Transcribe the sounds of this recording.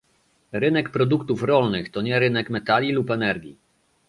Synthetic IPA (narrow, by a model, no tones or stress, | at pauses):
ɾɘnɛkpɾɔd̪ukt̪ufɾɔlnɘxt̪ɔɲɛɾɘnɛkmɛt̪alʲilupɛnɛɾɡʲḭ